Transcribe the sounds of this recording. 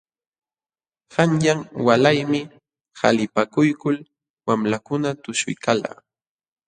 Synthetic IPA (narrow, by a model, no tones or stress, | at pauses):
hanjaŋwalajmɪ | ha̰lɪpakʊjkʊl | wamlakʊnat̪ʊʃʊ̰jkala̰ː